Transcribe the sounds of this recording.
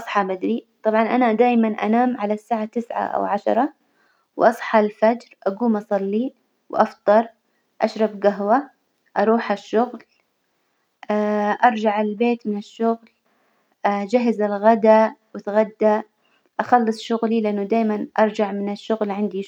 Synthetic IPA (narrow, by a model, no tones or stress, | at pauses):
ʔsˤħɑbad̪ɾit̪ˤɑbʕɑnʔanad̪aːjmanʔa̰naːmʕalasːaːʕat̪ɪsʕa̰ʔa̰wʕaʃɑ̰ɾˤɑ | wʔɑsˤħɑlfad͡ʒɾʔaɡuːmʔɑsˤɑlːi | wʔɑft̪ˤɑɾˤ | ʔa̰ʃɾˤɑbɡaɦwa | ʔɑɾˤuːħaʃːʊɣl | ʔaʔɑɾˤd͡ʒaʕɪlbeːt̪mɪnɪʃːʊɣl | ʔad͡ʒaɦɪzɪlɣad̪awɪt̪ɣad̪ːa | ʔaxɑlːɨsˤʃʊɣlilɪʔanːʊd̪aːjmanʔɑɾˤd͡ʒaʕmɪnɪʃːʊɣlʕɪnd̪i